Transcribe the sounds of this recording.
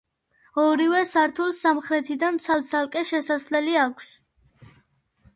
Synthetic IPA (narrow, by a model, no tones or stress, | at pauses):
ɔɾivɛsaɾt̪ʰulˠsamχɾɛt̪ʰid̪ant̪sʰalˠt̪sʰalˠkʼɛʃɛsasvlɛliakʷʰs